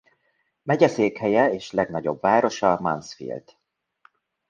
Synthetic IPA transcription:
mɛɟɛseːkhɛjɛeːʃlɛɡnɒɟo̞̰bvaːɾo̞ʃɒmɒ̰nsfḭlt̪

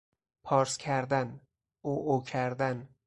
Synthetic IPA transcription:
pʰɒːɾskʰæɾd̪æn | oːʔocʰæɾd̪æn

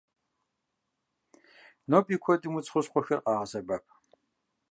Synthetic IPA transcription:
noːpʼiːkʷʰɔdʼɨmut͡sʼχʷʊɕqʷɔxɐrqɑːʁɐzɐbɐp̚ʰ

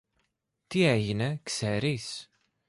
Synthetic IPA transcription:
t̪iæʝnæksæɾis

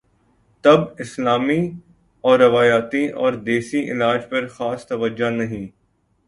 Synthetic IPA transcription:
t̪ɐbɪslaːmi | ɔːɾːɐʋaːjaːt̪iʔɔːɾd̪eːʃiʔɪ̰laːd͡ʒpɐɾxaːst̪ɐʋəd͡ʒanɐɦĩː

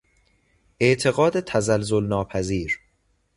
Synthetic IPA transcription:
ʔe̞ʔt̪ʰe̞ɣɒːd̪et̪ʰæzælzolnɒːpʰæziːɾ

